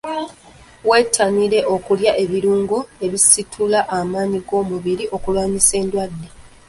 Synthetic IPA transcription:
we̞ːtʰːaniɾe̞ʔo̞kuljaʔe̞βiɾuːŋɡoe̞βisitʰulaʔamaːɲiɡo̞ːmuβiɾiʔo̞kulwaːɲise̞ːndwadːe̞

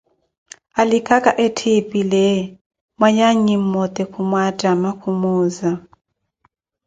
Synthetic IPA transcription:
alikʰakʼaʔetʰipʼilɛ | mwaɲaɲim̩mɔt̪ʼɛkʰumwatʼamakʰumuːza

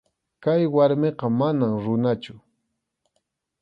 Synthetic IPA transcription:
kajwaɾmeqɑmanamɾʊnat͡ʃʊ

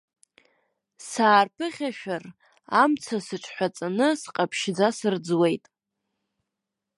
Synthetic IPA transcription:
saːrpʰɨχʲaʃᶣar | amt͡sʰasɨʈ͡ʂʼʰħʷat͡sʼanɨsqʼapʰʃd͡zasɨrd͡zwe̞jtʼ

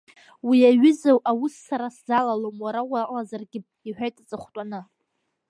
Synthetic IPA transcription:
wiaɥʏzawʔawʊsːaɾaszalalomwaɾawaʔʼlazarɡʲɪ | iħʷᶣajtʼat͡sʼɨχʷtʼanɨ

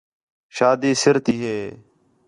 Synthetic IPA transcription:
ʃaːd̪iːsɪɾt̪iːɦeː

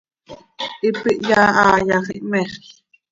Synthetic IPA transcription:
ʔipiʔjaːaːjɑχiʔmɛχ

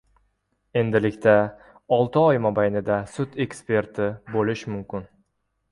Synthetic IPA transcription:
e̞nd̪ɪlɪkʲt̪ʰa | ɒlˠt̪ʰɪɒjmɒbajnɪd̪asʊt̪e̞kspe̞ɾt̪ʰɪbolɪʃmʊmkʲɪn

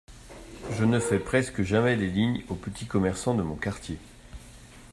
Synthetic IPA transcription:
ʒənəfɛpχɛskəʒamɛd̪eliɲopət̪ʰikɔmɛʁsɑ̃d̪əmɔ̃kaʁt̪je

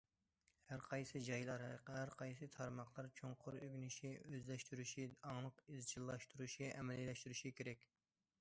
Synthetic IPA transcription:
hæɾqʰɑjsɨd͡ʒɑjlˠɑɾqæɾqʰɑjsɨt̪ʰɑɾmɑχlˠɑɾt͡ʃʰoŋqʰʊɾøɡʲnyʃiøzlɛʃt̪yɾyʃiɑŋlˠəqizt͡ʃʰilˠːɑʃt̪ʰuɾuʃiʔɛmɛllɛʃt̪yɾyʃikʲeɾɛkʲ

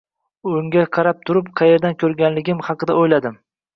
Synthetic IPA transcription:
ʊŋɡʲaqʰɑɾap̚t̪ʰʊɾɪpqʰɑje̞ɾd̪ankʲʰɵɾɡʲanlɪɡʲɪmhɑqɨd̪aojlad̪ɪm

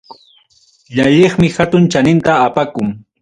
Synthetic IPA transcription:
ʎaʎeχmɪhat̪ʊnt͡ʃanɪnt̪aːpakʊŋ

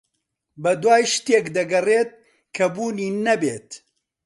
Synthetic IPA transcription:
bɐd̪waːjʃt̪eːkd̪ɐɡɐreːt̪̚ | kʰɐbuːniːnɐbeːt̪

